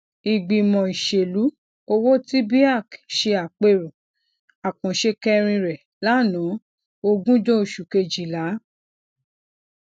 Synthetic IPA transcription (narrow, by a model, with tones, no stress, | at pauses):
i˨ɡ͡bi˨mɔ̃˨i˨ʃe˨lu˨˦ | o˧wo˦ti˦bi˦a˦˨kʃe˧a˨k͡pe˧ɾũ˨ | a˨kɔ̃˨ʃe˧kɛ˦ɾ̃ĩ˧ɾɛ˨ | la˨˦˨nã˨˦ | o˧ɡũ˦d͡ʒõ˦o˨ʃu˨ke˧d͡ʒi˨la˨˦